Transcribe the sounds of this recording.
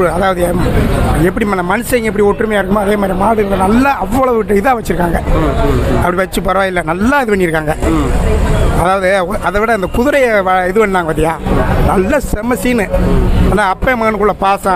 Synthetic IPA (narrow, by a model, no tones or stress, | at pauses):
ɯɐðaːʋɐðɯ | ɛp̬ːɐɽimɐnɐmɐnɯsɐɪŋɡɐɛp̬ːɐɽioʈːrɾɯmejaːɪɾɯkːɯmaːɐðeːmaːd̪ɾimaːɽɯɾɐlɐnɐlːaʔɐʋːɐɭɐʋɯɪʈ̬ːɯɪðaːʋɐt͡ʃːɪɾɯkːaːŋɡɐ | ɐpɐɽiʋɐt͡ʃːɯpɐɾɐʋaːɪlːɐnɐlːaːɪðɯʋɐnːiɪɾɯkːaːŋɡɐ | ɐðaːʋɐðɯɐðɐʋɪɽɐɐnd̪ɐkʊðʊɾɐjʋɛðɯʋɐnːnaːŋɡɐʋɐt̪ːɪjaːnɐlːɐsɛmɐsinɯaːnaːɐpːemɐkːɐnkːʊɭːɐpaːsãː